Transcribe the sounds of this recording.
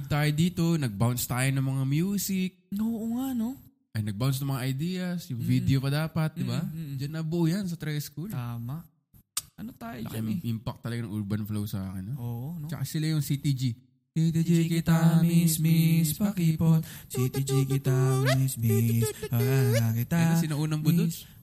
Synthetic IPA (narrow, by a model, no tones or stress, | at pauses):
ɡ̚t̪aːjod̪iːt̪o̞nɐɡ̚bawnst̪aːjɪnɐŋmɐŋamjuːsɪk̪̚oːʔoŋaʔno | ʔɐjnɐɡ̚bawns̬t̪ɐmɐŋaʔɐjd̪iːjɐsjʊŋvid̪ɛopɐd̪aːpɐt̪̚d̪ɪbad͡ʒɐnːɐbʊʔujans̬ɐt̪ɾɛskulaːmaʔ | ʔɐnot̪ajlɐkamʔimpɐk̚t̪ɐlɐɡanɐŋʔʊɹbɐnflowsɐʔa̰ːkɪɛnːʔoːʔonot͡ʃɐkasɪlajʊŋsit̪id͡ʒi | sit̪id͡ʒikɪt̪ammisispɐkipot̪sit̪id͡ʒikɪt̪amisbispɐɡaɡakɪt̪aɐsɪnɐʔuːnɐŋbʊd̪os